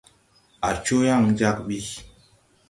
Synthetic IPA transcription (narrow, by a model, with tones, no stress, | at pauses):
a˨t͡ʃo˦ja˦˨ŋd͡ʒa˦k̚ɓi˦